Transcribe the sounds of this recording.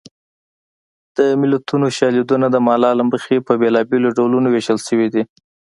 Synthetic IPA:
d̪̥əmɪlat̪ʰunoʃɑled̪unad̪əmɑlɑlaməxepəbelɑbeloɖawlunoweʒəlʃəwid̪i

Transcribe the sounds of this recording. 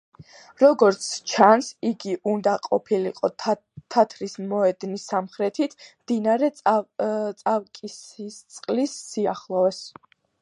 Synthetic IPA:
ɾɔɡɔɾt̪sʰt͡ʃʰansiɡiʔund̪aqʼɔpʰiliqʼɔ | t̪ʰat̪ʰɾismɔɛd̪nisːamχɾɛt̪ʰit̪ʰmd̪inaɾɛ | t̪sʼavkʼisit̪sʼqʼlisːiaχlˠɔɛs

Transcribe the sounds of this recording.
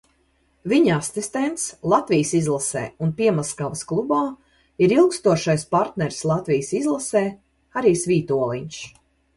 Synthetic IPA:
viɲasist̪ɛnt̪slˠat̪vijsizlˠasɛ̰ːunpiɛmaskavɐsklˠubaː | iɾilˠkst̪uɔʃajspaɾt̪nɛɾslˠat̪vijsizlˠasɛː | aɾiːsvʲiːt̪uɔlˠiɲʃ

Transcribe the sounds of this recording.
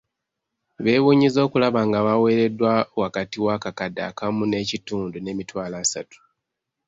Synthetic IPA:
βe̞ːβuːɲizo̞ːkulaβaŋɡaβawe̞ːɾe̞dːwawakatiwakakada̰kamune̞cituːndune̞mitwaːlaːsatu̥

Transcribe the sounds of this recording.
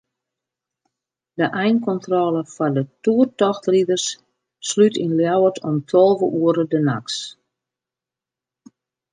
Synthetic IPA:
dəʔɛjnkɔntrɔːləfadətuərtɔxtridərsː | lytinljawərtʰɔmtʰɔlˠvəʔuəɾədəna̰ks

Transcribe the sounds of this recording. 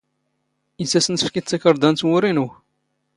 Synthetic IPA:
jəsːæsənθə̥fkit͡sːækəɾˤd̪ænt̪wʊɾinu

